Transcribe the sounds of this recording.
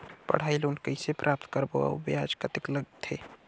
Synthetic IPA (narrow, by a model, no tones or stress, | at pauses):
pə̰ɽ̤ailoːnkəɪsepɾʔaːp̚t̪kəɾbo̰a̰baːd͡ʒkət̪ɪkləɡt̪ʰeː